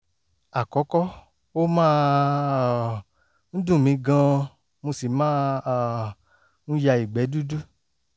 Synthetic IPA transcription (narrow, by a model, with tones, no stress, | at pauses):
a˨kɔ˨˦kɔ˦ | o˦mãː˦˧˨ | n̩˦dũ˦˨mĩ˧ɡã˧ | mo˧si˨mãː˦˨ | nũ˦ja˧i˨ɡ͡bɛ˨˦du˦du˦